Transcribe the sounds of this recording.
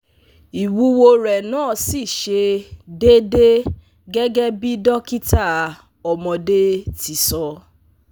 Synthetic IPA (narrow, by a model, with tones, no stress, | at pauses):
i˨wu˦wo˧ɾɛ˨nãː˦˨si˦˨ʃe˧de˦de˦ | ɡɛ˦ɡɛ˦bi˦dɔ˦ki˦ta˦˨ | ɔ˨mɔ̃˧de˦ti˨˧˨sɔ˧